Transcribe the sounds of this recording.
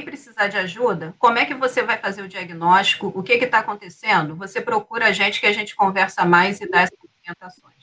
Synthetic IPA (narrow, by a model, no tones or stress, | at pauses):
pɾɪsizad͡ʒɪaʒud̪ɐkõmʊɛkɪvosevajfazeɾʊd͡ʒiaɡinɔʃt͡ʃi̥kʊʔʊkɪkɪt̪aːkõnt̪esẽd̪ʊvosepɾokuɾɐaʒẽnt͡ʃɪ̥kɪaʒẽnt͡ʃɪ̥kõvɛɾsɐmajzɪd̪aɛsɐõpiẽnt̪asõj̃s